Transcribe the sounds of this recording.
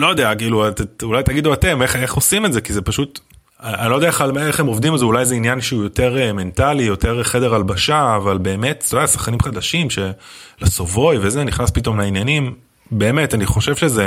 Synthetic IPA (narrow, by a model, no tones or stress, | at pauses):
lo̞jod̪eakiːluat̪eulajt̪aɡid̪uate̞meχeχo̞simetze̞kizepaʃut | aa̰nilo̞d̪eaealeχemo̞vd̪imezeulajzeinjanʃeujo̞te̞ʁeme̞ntalijo̞te̞ʁχe̞de̞ʁalbaʃaːvalbe̞ːme̞t̪t̪ud̪ɛasḁχkanimχad̪aʃimʃe̞laso̞vo̞jvezeniχnaspito̞mlainjanim | be̞ːmetaniχo̞ʃe̞vʃeze̞